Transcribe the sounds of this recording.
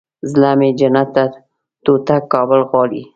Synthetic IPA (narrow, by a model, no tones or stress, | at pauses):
zlamed͡ʒanat̪ːa | t̪ot̪akːɑbəlɣwɑlḭ